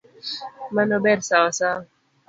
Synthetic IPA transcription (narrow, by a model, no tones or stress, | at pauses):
manɔbɛɾsawasa